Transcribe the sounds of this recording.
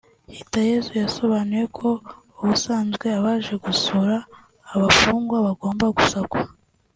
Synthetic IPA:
hitajezujaso̞βaːnije̞kʰo̞ | uβusaːnzɡwe̞aβaːʒe̞ɡusuɾaː | βafuːŋɡwaβaɡo̞ːmbaɡusakwa

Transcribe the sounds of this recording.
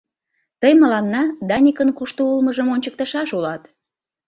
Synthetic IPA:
t̪əjməlɑnːɑd̪ɑnʲikənkuʃt̪oulməʒəmonʲt͡ɕək̚t̪əʃɑʃulɑt̪

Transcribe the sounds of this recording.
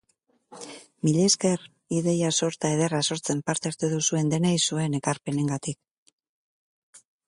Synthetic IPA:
miʎe̞ske̞r | iðe̞jaso̞ɾt̪aeð̞e̞raso̞ɾt͡se̞mpaɾt̪eaɾt̪eðusue̞nd̪e̞najsue̞ne̞kaɾpe̞ne̞ŋɡat̪ik

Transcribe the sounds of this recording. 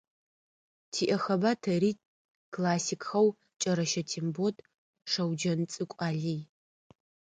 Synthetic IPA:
tʰiːʔɐxɐbaːtʰɐɾiːt | kʰlaːsikʰʼxɐw | t͡ʃʼɐɾɐʃɐtʰimbotʼ | ʂɐwd͡ʒɐnt͡sʼɨkʷʼaːɮij

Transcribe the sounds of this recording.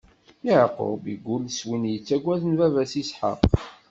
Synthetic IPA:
ɪʕqo̰biɡʷːʊlswinjət͡sːæɡʷːæðnvævæsisħə̰q

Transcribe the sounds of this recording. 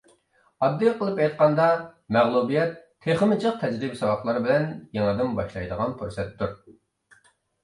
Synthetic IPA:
ɑd̪ːijqʰəlˠɨpɛjt̪̚qɑnd̪ɑmæʁlˠubijɛt̪ʰːeχəmɪt͡ʃʰəq̚t̪ʰɛd͡ʒɾibsɑwɑχlˠɑɾɨbɪlɛnjeŋɨd̪ɪmbɑʃlˠɑjd̪əʁɑnpuɾsɛt̪ʰːuɾ

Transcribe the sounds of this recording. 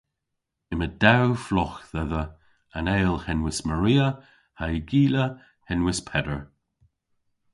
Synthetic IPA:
ɪməd̪awflɔxðɛðə | əneːlˠhɛnwɪsməɹiːə | haɪɡiːlə | hɛnwɪspʰɛdəɹ

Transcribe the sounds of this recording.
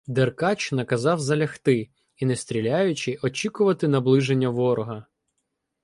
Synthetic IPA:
d̪erkɑt͡ʃnɐkɐzɑwzɐlʲɐxt̪ɪ | inest̪ʲɾʲilʲajʊt͡ʃɪʔɔt͡ʃʲikʊʋɐt̪ɪnɐblˠɪʒenʲːɐʋɔɾɔɦɐ

